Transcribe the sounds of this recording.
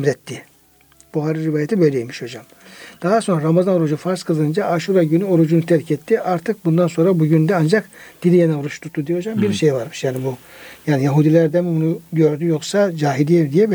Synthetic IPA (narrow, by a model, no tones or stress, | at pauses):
mɾɛt̪ʰːɪ | b̥uɦaɾɯɾivaːjat̪ʰibø̞jlʲɛjimiʃo̞d͡ʒam | d̪̥aɦaso̞nɾaɾamazano̞ɾud͡ʒufaɾskʰɯlˠd̪ɯɯnd͡ʒaaʃuɾaɟynyo̞ɾud͡ʒunut̪ʰɛɾcʰɛt̪ʰːiʔaɾt̪ʰɯk̚bund̪anso̞nɾabuɟynd̪ɛand͡ʒakd̪̥ilʲijenɛoɾut͡ʃt̪ʰut̪ʰːud̪ijɛo̞d͡ʒambiɾʃejvaɾmɯʃjaːnibujaːnijaɦud̪ilʲæɾd̪ɛmɛbunuɟøɾd̪yjo̞ksad͡ʒaːɦid̪ijɛɾd̪ijɛb